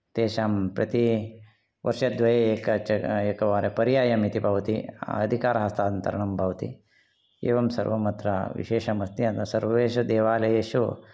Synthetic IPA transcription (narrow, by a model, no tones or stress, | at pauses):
t̪eːʃaːmpɾɐ̰t̪i | ʋʔɐ̰ɾʂɐd̪ʋɐjeːeːkɐt͡ʃɐeːkɐʋaːɾepɐɾjaːjɐmit̪ibʱɐʋɐt̪ḭɐd̪ʱikaːɾɐɦɐst̪ʰaːɐnt̪ɐ̰ɾɐɳɐmbʱɐʋɐt̪ḭ | ḛːʋɐmsɐ̰ɾʋɐmɐt̪ɾɐ̰ʋḭʃeːʃɐmɐst̪iɐnt̪ɐsɐɾʋɐʋeːʃ̬ɐd̪eːʋaːlɐjeːʃu